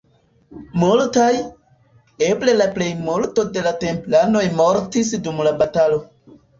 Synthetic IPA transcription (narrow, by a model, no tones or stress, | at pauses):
multaj | e̞ble̞laple̞jmulto̞de̞late̞mplano̞jmo̞ɾtis̬dumlabatalo̞